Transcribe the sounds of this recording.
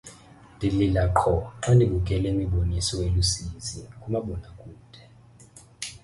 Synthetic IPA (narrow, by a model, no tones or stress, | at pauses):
ndʱililaǃʰɔǁandʱikʼukʼɛlemiɓonisɔwelusiːzikʼumaɓɔnakʼuːd̥ʱɛ